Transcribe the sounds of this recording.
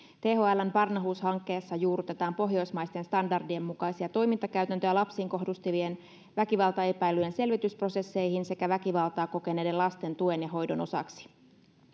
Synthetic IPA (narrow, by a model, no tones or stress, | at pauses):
t̪eːɦoælæmpɑrnɑɦuːshɑŋkːe̞ːsːɑjuːɾut̪e̞t̪ɑːmpo̞ɦjo̞jsmɑjst̪e̞nst̪ɑndɑrdiemːukɑjsiɑt̪o̞jmint̪ɑkæyt̪ænt̪øælɑpsiːŋko̞ɦdust̪iʋien | ʋækiʋɑlt̪ɑe̞pæjlːyjense̞lʋit̪yspro̞se̞sːe̞jhinse̞kæʋækiʋɑlˠt̪ɑːko̞ke̞ne̞ːde̞lɑst̪e̞nt̪ue̞njɑɦo̞jdo̞̰no̞sɑ̰ksi̥